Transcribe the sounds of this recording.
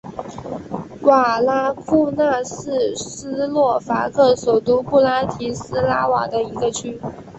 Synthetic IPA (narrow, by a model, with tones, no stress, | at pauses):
wa˨˩la˥kʰu˥˧na˥˧s̩˥˩sɹ̩˥lwɔ˥˩fa̰˧˥kʰɤ˥˩ʂo˨˩ʊt̪u˥pu˥˩la˥t̪ʰi˧˥sɹ̩˥la˥wa̰˨˩d̪ə˦i˧˥ɡə˧t͡ɕʰy˥